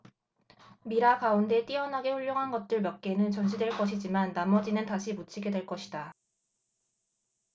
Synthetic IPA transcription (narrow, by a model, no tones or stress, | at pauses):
miɾakaunde̞t͈iʌnɦaɡe̞ɸuʎjoŋɦanɡʌt̚t͈ɯɭmjak̚k͈e̞nɯnt͡ɕʌnd͡ʑʰidwe̞ɭk͈ʌɕ̬ʰid͡ʑimanːamʌd͡ʑinɯntaɕʰimut͡ɕʰiɡe̞dweɭk͈ʌɕʰida